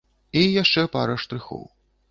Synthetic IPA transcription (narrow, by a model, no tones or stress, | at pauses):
ijaʂt͡ʂɛpa̰ɾɐʂt̪ɾɨxɔ̰w